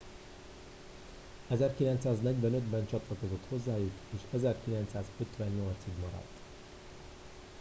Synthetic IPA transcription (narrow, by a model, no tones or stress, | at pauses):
ɛzɛrkilɛnt̪saːznɛɟʋɛnø̞d̪bɛnt͡ʃɒt̪lɒko̞zo̞t̪ho̞zːaːjukeːʃɛzɛrkilɛnt̪saːzø̞t̪ʋɛɲːo̞lt̪siɡmɒɾɒ̰t̪ː